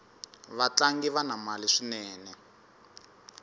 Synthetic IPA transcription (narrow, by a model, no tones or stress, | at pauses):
βat͡ɬaŋɡiβanamaliʂinɛːnɛ